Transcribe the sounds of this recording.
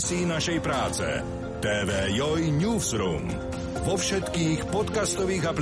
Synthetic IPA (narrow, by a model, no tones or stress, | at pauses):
siːnaʃɛjpɾaːt͡sɛ̰ | t̪ɛːʋɛːjɔjɲuːfsɾṵːm | ʋɔfʃɛt̪kiːxpɔt̪kast̪ɔʋiːɣapl